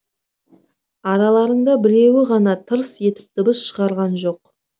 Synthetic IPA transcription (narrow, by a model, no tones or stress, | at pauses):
ɑɾɑlˠɑɾəɴd̪ɑbɪɾe̞wɪʁɑnɑt̪ʰəɾəsje̞t̪ɪ̥p̚d̪əbəsʃəʁɑɾʁɑnʒo̞q